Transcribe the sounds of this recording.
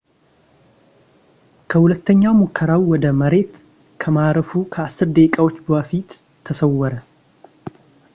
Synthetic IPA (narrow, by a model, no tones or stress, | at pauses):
kʰəhulət̪ʰːəɲːawmukʰːəɾawwɔd̪əməɾe̞t̪ | kʰəmaɾəfukʰəasːɨɾd̪ekʼawo̞t͡ʃːbəfit̪ʰː | əsəwːɔɾə